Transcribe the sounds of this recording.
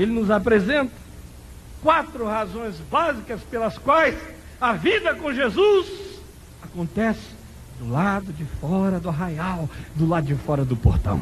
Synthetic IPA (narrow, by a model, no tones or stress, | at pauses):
elɪnʊzapɾezẽnt̪ɐ̥ | kwat̪ɾʊhazõj̃zbazikɐspelɐskwajs | ɐvid̪ɐkõʒezuz | akõnt̪ɛsɪ̥ | d̪ʊlad̪ʊd͡ʒɪfɔɾɐd̪ʊɦajawd̪ʊlad̪ʊd͡ʒɪfɔɾɐd̪ʊpo̰ɾt̪ɐ̰̃w̃